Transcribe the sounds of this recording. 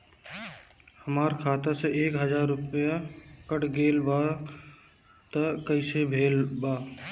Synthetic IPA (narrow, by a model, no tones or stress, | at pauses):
həmaːɾkʰaːt̪aseʔeːkɦəd͡ʒaːɾːʊpjakəʈɡeːlbaː | t̪əkəɪsebʱeːlbaː